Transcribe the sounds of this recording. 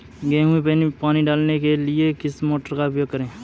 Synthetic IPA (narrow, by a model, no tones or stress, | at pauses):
ɡẽːɦũĩpeːnipaːniɖaːlnekelɪekɪsmoːʈəɾkapjoːɡ̚kəɾẽː